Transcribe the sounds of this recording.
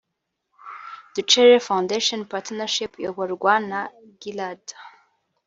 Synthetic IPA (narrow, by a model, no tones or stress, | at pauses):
d̥ɨʈ͡ʂʰerafawndeʂɔnpʰatʰnaʂipʰjaɡʷarɡʷana | ɡilad